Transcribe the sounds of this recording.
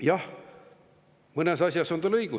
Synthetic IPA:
jɑh | mɤnesɑsʲjɑso̞nt̪ɑlɤiɡ̥u

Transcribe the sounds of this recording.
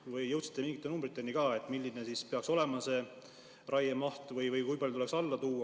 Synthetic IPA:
vɯjːɤwt̪si̥t̪ːˑe̞miŋɡ̥it̪ːˑe̞numbrit̪ːˑe̞nikɑːe̞t̪ːˑmilʲːine̞sispeɑkso̞le̞mɑse̞ː | rʔɑjemɑht̪vɯjvɯjkujpɑljut̪uleksɑlːɑt̪uːɑ

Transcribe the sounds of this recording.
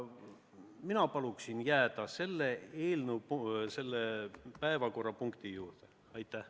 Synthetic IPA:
minɑpɑluksinjæːd̪ɑse̞lːee̞ːlnəwse̞lːepæevɑko̞rːɑpuŋkt̪ijuːɾrd̪̥e | ɑjt̪ːˑæh

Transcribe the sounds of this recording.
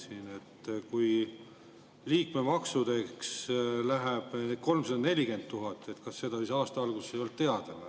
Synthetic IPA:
sine̞t̪ːkuj | liːkme̞mɑksud̪e̞kslæɦeb̥ko̞lmsɑd̪ɑne̞lʲiɡe̞nd̪t̪ːuɦɑt̪ːˑe̞t̪kɑsːe̞d̪̥ɑsiːsɑːst̪ɑɑlɡ̥usejo̞lt̪t̪ːe̞ɑd̪̥el

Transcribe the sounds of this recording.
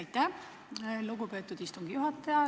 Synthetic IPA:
jt̪ːˑæ | luɡupe̞ːt̪ːˑud̪ist̪uŋɡ̥ijuɦɑt̪ːˑɑjɑ

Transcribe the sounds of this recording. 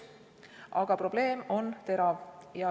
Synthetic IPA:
ʔɑɡ̥ɑpro̞b̥le̞ːmo̞nt̪e̞ɾɑvjɑ

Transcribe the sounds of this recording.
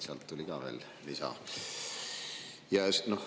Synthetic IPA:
seɑ̰lt̪ːulʲiɡɑːve̞̰ːl | lisɑ̰ | jɑsnoh

